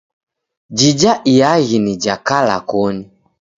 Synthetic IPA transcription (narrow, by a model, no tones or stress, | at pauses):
d͡ʒid͡ʒaʔijaɣinid͡ʒakala̰kɔni